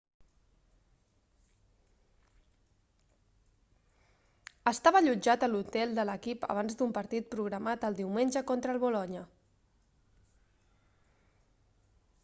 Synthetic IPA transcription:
əst̪aβəʎud͡ʒat̪əlut̪ɛlˠd̪ələkipə̰β̞anzd̪umpəɾt̪it̪̚pɾuɣɾəmat̪əlˠd̪iwmenʲd͡ʒəkont̪ɾəlˠβulɔɲə

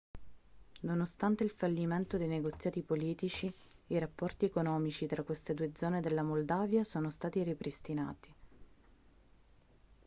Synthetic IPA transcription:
nonost̪ant̪eilfalːiment̪od̪ejneɡot̪sːjaːt̪ipoliːt̪it͡ʃiiɾapːɔrt̪iekonɔːmit͡ʃit̪ɾakːwest̪ed̪uːed̪zɔːned̪elːamold̪aːvjasoːnost̪aːt̪iɾipɾist̪ina̰ːt̪i̥

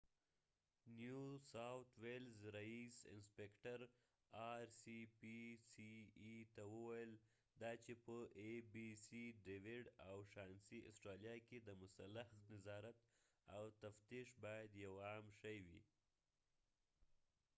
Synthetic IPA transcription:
njusawt̪welzɾaisɪ̰nspekʈaɾ | ɑɾsipisiːt̪awəwajəl | d̪ɑt͡ʃepəʔebisiɖewɪɽawʃɑnsiʔʊsʈɾɑljɑked̪əmʊsalːaxnɪzɑɾat̪ | awt̪aft̪iʃbɑjad̪jawɑmʃəjwḭ

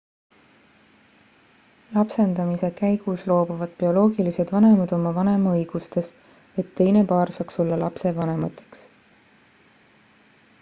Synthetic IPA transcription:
lɑpse̞nd̪̥ɑmise̞kæjɡ̥uslo̞ːbuvɑd̪̥pio̞lo̞ːɡilise̞d̪̥vɑne̞mɑd̪̥o̞mɑvɑne̞mɑɤjɡ̥ust̪e̞st̪ | e̞t̪ːe̞jne̞pɑːɾrsɑːkso̞lːɑlɑpse̞vɑne̞mɑt̪ːˑe̥ks

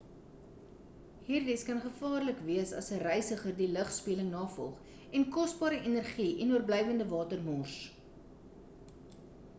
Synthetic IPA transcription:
ɦiːrdiskɐnχəfɑːrləkviəsɐ̰sərəjsəχərdiləχspiələŋnɑːfɔ̰lˠχ | ɛnkɔsbɑːɾəʔinərχiːʔɛnuərblɛjvəndəvɑːtərmɔrs

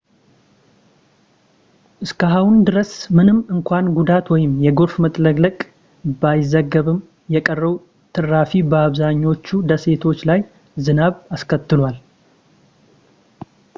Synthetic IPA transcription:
ʔɨskʰəɦawund̪ɨɾəsmɨnɨmɨŋkʷʰanɡud̪at̪wɔjɪmjɛɡoɾfmət̪ʼləɡʼləkʼ | bajɪzːəɡːəβɨm | jɛkʼərːəwu | t̪ʰɨrːafibəaβzaɲːo̞t͡ʃːud̪əse̞t̪ʰo̞t͡ʃːlaj | zɨnaβaskʰət̪ːɨlwal

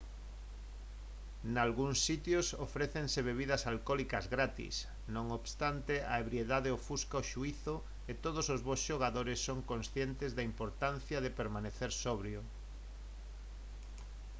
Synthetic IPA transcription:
nalɣuŋsːit̪josofɾeθeŋseβeβiðɐsalkɔlikɐzɣɾat̪ḭs | nõŋoβst̪ant̪eaeβɾjeðaðeofuskaoʃuiθʊ | et̪oðosozβosʃoɣ̞aðoɾɪsːoŋkõnsθjent̪ɪzðaimpoɾt̪an̟θjɐðepeɾmaneθeɾsɔβɾjo

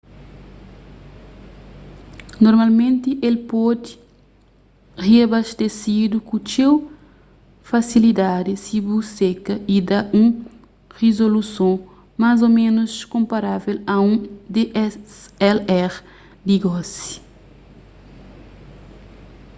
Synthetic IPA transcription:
noɾmalmẽnt̪iʔelpɔd̪i | ʁiabaʃt̪esid̪ukut͡ʃew | fasilid̪ad̪isibusekɐid̪aũ | ʁezolusõ | mazomẽnuskõmpaɾavelɐũd̪e | ɛlɛʁ | d̪iɡɔsi̥

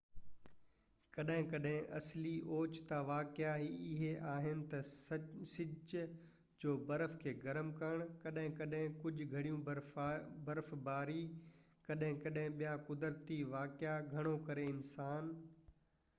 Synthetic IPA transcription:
kɐɗɦɪ̃kɐɗɦɪ̃ʔɐsliʔoːt͡ɕt̪aʋaːkɪaɦiɪɦeʔaːɦɪnɪ̆t̪ɐsɪ | d͡ʑoːbɐɾəfkʰeːɡɐɾəmkəɽ̃kɐɗɦɪ̃kɐɗɦɪ̃kʊd͡ʑʱʊɡʱɐɽijũ | bɐɾfbaːɾikɐɗɦɪ̃kɐɗɦɪ̃ɓijakʊd̪əɾt̪iʋaːkɪjaɡʱɐɽ̃okɐɾeɪnsaːn

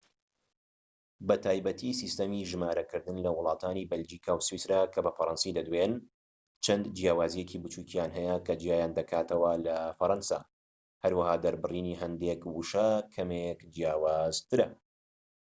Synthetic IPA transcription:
bɐt̪ʰaːjbɐt̪ʰisist̪ɐmiʒɨmaːɾɐkɨɾd̪ɨnlɐwʊlˠɑːt̪ʰaːniːbɐld͡ʒiːkʰawswisɾakʰɐbɐfɐɾɑnsid̪ɐd̪wen | t͡ʃʰɐnd̪d͡ʒijaːwaːzijecʰibɨt͡ʃukijaːnɦɛjɐkʰɐd͡ʒijaːjand̪ɐkʰaːt̪ʰɐwɐlɐfɐɾɑnsa̰ | hɐɾwɐhaːd̪ɐɾbɨriːniɦɐnd̪ekwuʃakʰɐmekd͡ʒjaːwaːzt̪ɨɾɐ

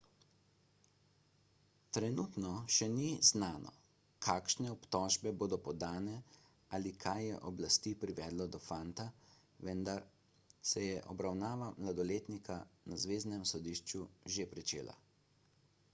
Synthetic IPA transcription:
t̪ɾɛnuːt̪nɔʃɛniznaːnɔ̰ | kʰaːkʃnɛɔpt̪ɔʒbɛboːd̪ɔpɔd̪aːnɛ | alikʰajːɛ̰ʔɔblast̪ipɾiʋɛːd̪lɔd̪ɔfant̪a | ʋɛnd̪aɾ | sɛjɛʔɔbɾawnaːʋamlad̪ɔleːt̪nikanazʋeːznɛmsɔd̪iʃt͡ʃuʒepɾit͡ʃḛːla̰

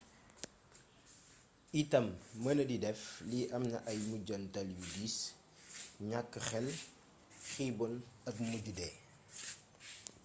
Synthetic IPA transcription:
itɐmːənɐdidɛfliʔɐmnɐ̰ʔɐjmuɟɐntɐljudis | ɲakːəxɛl | xibɔlɐkmuɟudɛ

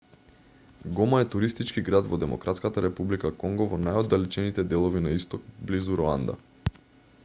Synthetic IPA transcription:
ɡɔmaɛt̪uɾist̪it͡ʃkiɡɾad̪vɔd̪ɛmɔ̰kɾat̪skat̪aɾɛpublikakɔŋɡɔvɔnajɔd̪ːalit͡ʃɛnit̪ɛd̪ɛlˠɔvinaist̪ɔk̚blizuɾɔa̰nd̪a̰

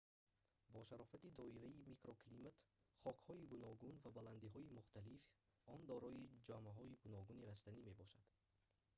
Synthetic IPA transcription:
bɔʃaɾɔfat̪id̪ɔiɾaimikɾoklimat̪χɔkhɔiɡunɔɡunvabaland̪iɦɔimuχt̪alif | ɔnd̪ɔɾɔid͡ʒamaɦɔiɡunɔɡuniɾast̪anime̞bɔʃad̪̥

